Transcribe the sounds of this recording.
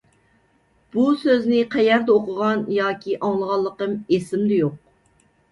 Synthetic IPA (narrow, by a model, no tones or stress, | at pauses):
b̥usøznɪqʰɛjæɾd̪ɛoqʊʁɑnjɑːkʲiʔɑŋlˠəʁɑlˠːəqəmesɪmd̪ɛjoq̚